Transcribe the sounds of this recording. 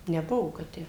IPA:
nʲɛˈbʊʋoː kɐt ˈtʲæː

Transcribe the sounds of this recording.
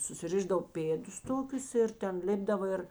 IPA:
sʊsʲɪˈrʲɪʒdɐw ˈpʲeːdʊs ˈtoːkʲʊs ˈɪr tʲɛn ˈlʲɪbdɐʋoː ˈɪr

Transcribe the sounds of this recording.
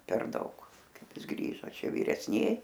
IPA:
pʲɛr ˈdɐʊk ˈkɐɪp ˈɪs ˈɡrʲiːʒoː ˈt͡ʃʲɛ ʋʲɪrʲɛsʲˈnʲiɛj

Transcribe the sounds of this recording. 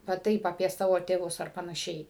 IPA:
ʋɐ ˈtɐɪp ɐpʲiɛ ˈsɑːʋoː tʲeːˈʋʊs ɐr pɐnɐˈʃʲɛɪ

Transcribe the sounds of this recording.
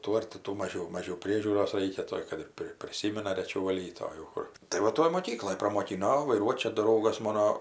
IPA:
ˈtuː ɐr tʲɪ ˈtuː ˈmɑːʒʲɛʊ ˈmɑːʒʲɛʊ ˈpʲrʲiɛʒʲuːroːs ˈrɐɪkʲɛ ˈtoːj kɐt ɪr ˈpʲrʲɪ pʲrʲɪˈsʲiːmʲɪnɐ rʲɛˈt͡ʃʲɛʊ ʋɐˈlʲiːt oː jɛʊ ˈkʊr tɐɪ ʋɐ ˈtoːj moːˈkʲiːklˠoːj prɐmoːˈkʲɪnoː oː ʋɐɪˈruɔtʲ ˈt͡ʃʲɛ ˈdrɐʊɡɐs ˈmoːnoː

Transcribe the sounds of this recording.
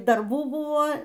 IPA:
dɐrˈbuː ˈbʊʋoː

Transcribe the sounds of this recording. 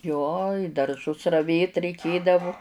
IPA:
ˈjoː ɪ dɐrˈʒʊs rɐˈʋʲeːt rʲɛɪˈkʲeːdɐʋʊ

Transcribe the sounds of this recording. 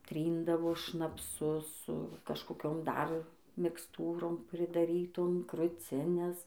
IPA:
ˈtʲrʲiːndɐʋoː ʃnɐpˈsʊ sʊ kɐʃkoːˈkʲoːm ˈdɐr mʲɪksˈtuːroːm pʲrʲɪdɐˈrʲiːtoːm krʊˈt͡sʲɪnʲɛs

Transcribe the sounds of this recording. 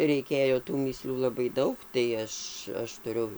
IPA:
rʲɛɪˈkʲeːjoː tuː mʲiːˈsʲlʲuː lˠɐˈbɐɪ ˈdɐʊk tɐɪ ˈɐʃ ˈɐʃ tʊˈrʲʊ

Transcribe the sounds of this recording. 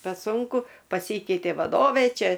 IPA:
pʲɛ ˈsʊŋkʊ pɐˈsʲiːkʲɛɪtʲeː ʋɐˈdoːʋʲeː ˈt͡ʃʲɛ

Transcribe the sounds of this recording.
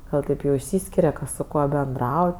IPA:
ˈɡɐlˠ tɐɪp ˈjɛʊ ɪʃʲˈsʲiːsʲkʲɪrʲɛ ˈkɐs sʊ ˈkuɔ bʲɛnˈdrɐʊj

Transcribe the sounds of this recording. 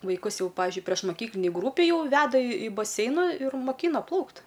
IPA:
ʋɐɪˈkʊs ˈjɛʊ ˈpɑːʋʲɪʒʲʊɪ pʲrʲiɛʃmoːˈkʲiːklʲɪnʲeːj ˈɡrʊpʲeːj ˈjɛʊ ˈʋʲæːdɐ ɪ ɪ bɐˈsʲɛɪnɐ ɪr moːˈkʲiːnɐ ˈplˠɐʊkt

